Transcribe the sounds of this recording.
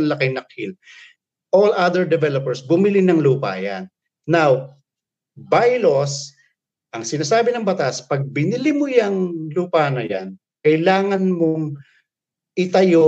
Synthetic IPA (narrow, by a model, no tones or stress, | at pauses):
ŋlɐkɪŋnɐk̚hil | ʔolʔad̪ɛɹd̪ɛvɛlopɛɹsbʊmɪlinɐŋluːpɐ̰ja̰nː | aw | bajlos | ʔɐŋsɪnaːsaːbɪnɐŋbɐt̪aspɐɡ̚bɪnɪlimojɐŋluːpanɐja̰n | kɐjlaːŋɐnmoŋ | ʔɪt̪ɐjo